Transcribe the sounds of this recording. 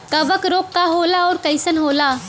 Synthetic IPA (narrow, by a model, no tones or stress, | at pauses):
kəbəkɾoːkːaɦoːlaɔːɾkəɪsənɦoːla